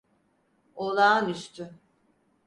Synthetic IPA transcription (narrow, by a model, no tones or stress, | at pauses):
olˠaːnyst̪ʰʏ